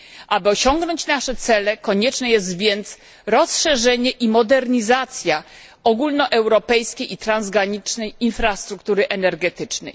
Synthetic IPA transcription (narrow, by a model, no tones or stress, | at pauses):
ʔabɘɔɕɔŋɡnɔɲt͡ɕnaʂɛt̪sɛlɛkɔɲɛt͡ʂnɛjɛst̪vʲjɛnt̪s | ɾɔsʂɛʐɛɲɛʔimɔd̪ɛɾɲizat̪sʲja | ɔɡulnɔʔɛwɾɔpɛjskʲejit̪ɾanzɡaɲit͡ʂnɛjinfɾast̪ɾukt̪uɾɘʔɛnɛɾɡɛt̪ɘt͡ʂnɛ̰j